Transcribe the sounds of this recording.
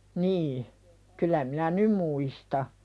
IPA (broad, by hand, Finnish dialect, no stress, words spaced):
niː kylˑæ minæ nym muistɑ